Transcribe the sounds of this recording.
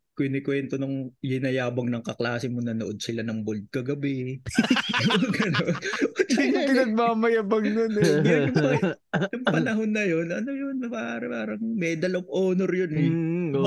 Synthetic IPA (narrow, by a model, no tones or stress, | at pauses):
kʊjnɪkwɛnt̪onʊŋjɪnɐjaːbɐŋnɐŋkɐklaːsɪmonɐnoʔod̪̚sɪlanɐŋbold̪̚kɐɡɐbɪ | nʊɡɐnonʔt̪inkɪnɐɡ̚maːmɐjabɐŋnonɛɡʊŋpɐ | jʊŋpɐnɐɦo̞nːɐjonʔɐnojonpɐaːʔaːɾɐpaːɾɐŋmɛd̪ɐlʔoŋʔoːnoɾjonɛ